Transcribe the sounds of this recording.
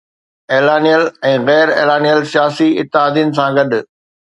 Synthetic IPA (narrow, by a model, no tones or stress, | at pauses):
eːlaːnijəlɛ̃ːɣɛːɾḛːlaːnijəlsijaːsiɪ̰t̪ːɪɦaːd̪ijʊnɪ̆sãɡɐɗ